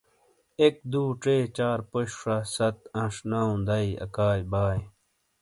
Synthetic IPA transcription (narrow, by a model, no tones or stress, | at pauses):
ek̚d̪uːʈ͡ʂeːt͡ɕaːɾpoɕʂasɐt̪ɐ̃ʂnaːũd̪ɐiɐ̰kaːjbaːj